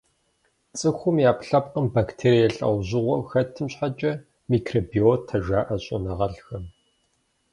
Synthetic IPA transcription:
t͡sʼɨxʷʊmjaːpɬɐp̚qəmbaktʰeːɾijɛɬɐ̰wʑɪʁʷɐxɐtʰːɨmɕħat͡ʃʼɐ | mikʰroːbiotʰːɐʒaːʔɐɕʼʊ̰nɐʁɐɮxɐm

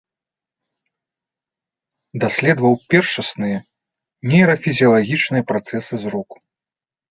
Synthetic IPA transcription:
d̪asʲlʲɛd̪vɐwpʲɛrʂɐsnɨjɐ | nʲɛjɾɐfʲizʲijɐlˠaɣʲit͡ʂnɨjɐpɾat̪sɛsɨzruku̥

